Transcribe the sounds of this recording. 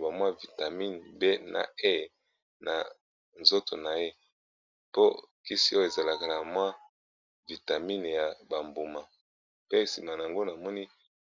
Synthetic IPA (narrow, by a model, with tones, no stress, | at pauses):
ba˨mwa˦vi˨ta˨mi˦n˨be˦na̰˨e˦˨ | nʔa̰˨ | nzo˦to˨na˨je˦ | po˦ki˦si˦o˦o˦˨e˨za˨la˨ka˨na˨mwa˦ | vi˨ta˨mi˦n˨ja˨ba˨mbo˨ma˨ | pe˦˨si˨ma˨na˨a˨ŋɡo˦na˨mɔ˦ni˦